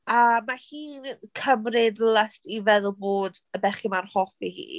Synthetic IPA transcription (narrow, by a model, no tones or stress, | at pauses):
amahiːnkʰəmrɪdlˠəstivɛðʊlˠboːdəbɛχimanhɔfihḭː